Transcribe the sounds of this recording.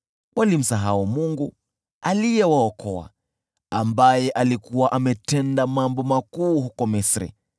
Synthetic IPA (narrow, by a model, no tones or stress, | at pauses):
wʔalim̩saɦaumuŋɡu | alijɛwaɔkʰɔa̰ | ambajɛʔalikuwaʔamɛtɛndamambɔmakuːhukɔmisɾḭ